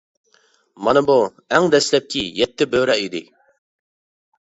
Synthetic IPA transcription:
mɑnɨbu | ɛŋd̪ɛslɛp̚kʲʰijɛt̪ːɪbøɾɛid̪ɪ̰

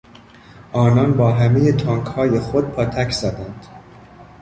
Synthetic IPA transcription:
ʔɒːnɒːnbɒːɦæme̞jet̪ʰɒŋkhɒːjexod̪̥̚pʰɒːt̪ʰæcʰzɒːd̪ænd̪̥

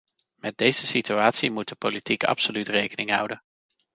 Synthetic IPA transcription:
mɛd̚dejzəsityaːtsimud̚dəpolitikɑ̰psolytrejkənɪŋɦʌ̰wdən

